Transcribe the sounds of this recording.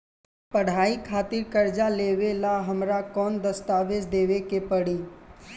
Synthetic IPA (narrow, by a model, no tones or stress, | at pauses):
pəɽ̤aːikʰaːt̪ɪɾkəɾd͡ʒaleːʋelaɦəmɾakɔːnd̪əst̪aːʋed͡ʒd̪eːʋekepəɽiː